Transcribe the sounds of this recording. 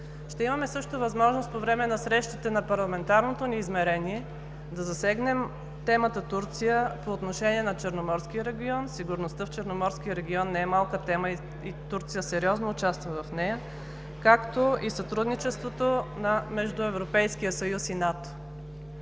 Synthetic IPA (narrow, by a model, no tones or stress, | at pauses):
ʃt̪ɛimɐmɛsɤʃt̪ovɐzmɔʒnost̪povɾɛmɛnɐsɾɛʃt̪it̪ɛnɐpɐɾlˠɐmɛnt̪aɾnot̪oniːzmɛɾɛniɛ | d̪ɐzɐsɛɡnɛm | t̪ɛmət̪ət̪uɾt̪sijəpoːt̪noʃɛniɛnɐt͡ʃɛɾnomɔɾsk̟ijəɾɛɡʲiɔnsiɡʊɾnost̪əft͡ʃɛɾnomɔɾskiəɾɛɡʲiɔnːɛɛmalˠkət̪ɛməi | it̪uɾt̪sijəsɛɾiɔznoːt͡ʃast̪vəvɐfnɛjə | kakt̪oisɐt̪ɾud̪nit͡ʃɛst̪vot̪onɐmɛʒd̪ʊɛvɾopɛjsk̟ijəsɐjusinat̪o̥